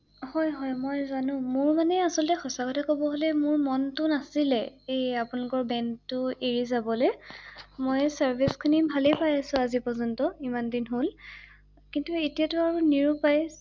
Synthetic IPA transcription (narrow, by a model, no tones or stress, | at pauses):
hɔjɦɔjmojzanʊ̃mʊɹmanɛasɔltɛxɔsakɔtʰakobɔɦolɛmʊɹmɔntʊnasilɛeapʊnalʊkɔɹbɛnʊeɹizabɔlɛ | mojsaɹbʱiskʰinibʱalepajasʊ̃azipɔzɔntɔimandinɦol | kintuetiatʊaɹuniɹupaj